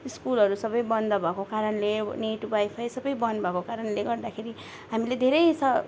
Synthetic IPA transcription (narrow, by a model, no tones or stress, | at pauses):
iskulʌɾusʌbʌjbʌnd̪ʌbʱʌkokaɾʌnleneʈubajpʰajsʌbʌjbʌnbʱʌkokaɾʌnleɡʌrd̪akʰeɾi | ɦamiled̪ʱeɾʌjsʌ